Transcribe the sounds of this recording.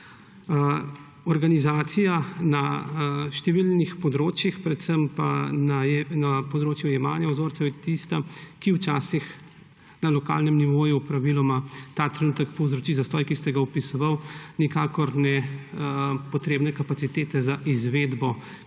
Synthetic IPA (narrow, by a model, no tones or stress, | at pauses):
ɔɾɡanizaːt̪sijanaʃt̪ɛʋilnixpɔd̪ɾoːt͡ʃjixpɾɛt̪səmpa̰nanapɔd̪ɾoːt͡ʃjujɛmaːnjawzoːɾtsɛwjɛt̪ist̪akiwt͡ʃaːsix | nalɔka̰ːlnɛmniʋoːjupɾaʋilɔmat̪aːt̪ɾɛnuːt̪ɛkpɔwzɾɔt͡ʃizast̪ɔːjkist̪ɛɡaɔpisɔʋawnikaːkɔɾnɛ | pɔt̪ɾeːbnɛkapat̪sit̪eːt̪ɛzaʔizʋed̪bɔ